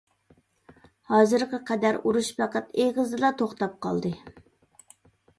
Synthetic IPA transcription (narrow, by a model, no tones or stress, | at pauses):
hɑːzɨɾqəqʰɛd̪æɾuɾuʃpæqʰət̪eʁəzd̪ɨlˠɑt̪ʰoχt̪ɑp̚qʰɑ̰lˠd̪ɨ